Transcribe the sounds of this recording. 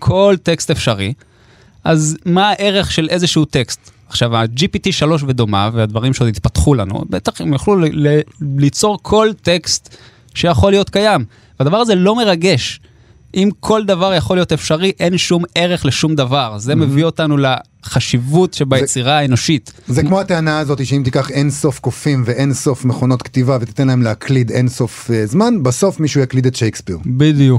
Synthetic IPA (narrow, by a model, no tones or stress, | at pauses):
kʰo̞lt̪e̞kstefʃaʁi | ʔazmaːʔe̞ʁe̞χʃe̞lʔe̞zeʃiut̪e̞kst̪ | aχʃavad͡ʒipitiʃaloʃ̬ve̞d̪o̞ma̰vead̪vaʁimʃeod̪it̪̚pat̪χula̰nṵbet̪aχimjaχlulelit͡so̞ʁkʰo̞lte̞kst̪ | ʃejaχo̞lijo̞t̪kajam | vead̪avaʁaze̞lo̞me̞ʁaɡe̞ʃ | ʔimkʰo̞ld̪avaʁjaχolijo̞t̪efʃaʁiʔe̞nʃume̞ʁe̞χleʃumd̪avaʁze̞mevio̞tanule | χaʃivutʃebajet͡siʁaeno̞ʃitzekmo̞at̪eanaːzo̞t̪iʃeimt̪ikaχenso̞fkofimveʔenso̞fmeχo̞no̞t̪kt̪ivavet̪i̥t̪enlaemleaklid̪enso̞fzmanbaso̞fmiʃujaklid̪et̪ʃejkspḭʁbid̪ijuk